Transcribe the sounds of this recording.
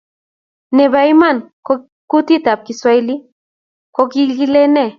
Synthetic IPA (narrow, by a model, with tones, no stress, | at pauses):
ne˨βa˦jma˦˨nko | kut̪i˦t̪a˨p̚ki˧swa˦jli˦ | ko˧ki˦lɡile˦ne˦˨